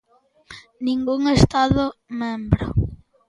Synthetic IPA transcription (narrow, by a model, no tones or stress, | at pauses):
nĩŋɡuŋest̪aðʊmẽmbɾʊ̰